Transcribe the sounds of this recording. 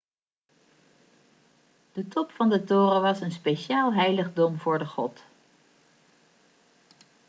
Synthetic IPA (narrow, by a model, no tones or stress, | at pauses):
d̥ətɔpfɑndətʊːrəʋɑsənspeʃaːlˠɦɛjləχdɔmvʊːɹdəχɔt